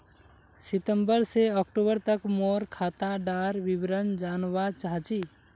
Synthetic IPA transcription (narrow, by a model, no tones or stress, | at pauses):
sit̪əmbəɾseəkʈobəɾt̪əkmoɾkʰat̪aɖaɾbibɾənd͡ʒanbat͡ʃaɦt͡ʃʰi